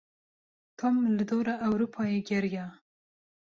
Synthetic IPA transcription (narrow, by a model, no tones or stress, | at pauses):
t̪ʰomlɨd̪oːɾaʔːwɾuːpʰɑːjeɡɛɾjɑ